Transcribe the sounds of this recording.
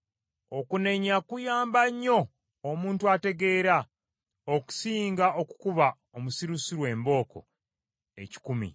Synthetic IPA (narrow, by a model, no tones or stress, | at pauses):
o̞kune̞ɲakujaːmbaɲːo̞ː | muːntuate̞ɡe̞ːɾa | oku̥siːŋɡaʔo̞ku̥kuβa | omusiɾusiɾwe̞ːmbo̞ːko̞̰ | e̞̰ci̥kumḭ